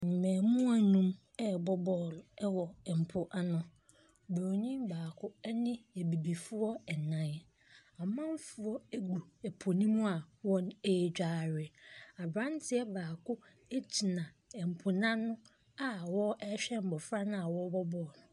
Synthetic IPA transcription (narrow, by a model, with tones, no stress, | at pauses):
n̩˨mɛ̃ː˨mũ˦a˨nũ˦m | ɛ˦bɔ˦bɔː˦˨lʊ˨ɛ˦wɔ˨ɛ˨m̩˨pʰʊ˨ʔa˦nʊ̃˦˨ | bo˨ɲĩ˦mbaː˨kʰʊ˦ɛ˦nɪ̃˦ɛ˨bi˨bi˨fʊ˦ɔ˦ɛ˨nã˨˦j | a˨mã˦m˦fu˨ɔ˦e˦ɡu˨ɛ˨pʰo˨nĩ˦mũ˦a˨wɔ̃˦ne˦˨d͡ʑᶣaː˦ɾɪ˨a˨bɾã˦ntʰɪ˦ɛ˦baː˨kʊ˦ | e˦d͡ʑi˨nã˨ | ɛ˨m̩˨pʰʊ˨nã˦nʊ̃˦ | a˨˦wɔ˦ɛ˦ɕᶣɛ˦m̩˨bɔ˨fɾa˦nʊ̃˦a˨wɔ˦bɔ˦bɔː˦˨nʊ̃˨